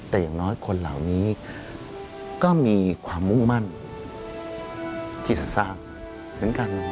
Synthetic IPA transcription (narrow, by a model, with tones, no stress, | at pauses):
t̪ɛː˨˩jaː˨˩ŋnɔː˦˥jkʰo˧nla̰˨˩wniː˦˥ | kɔː˥˩miː˧kʰwaː˧mːu˥˩ŋma˥˩n | t̪ʰiː˥˩sa˨˩saː˧˩ŋ̚ | mɯ˩˦nkaː˧nɔ˧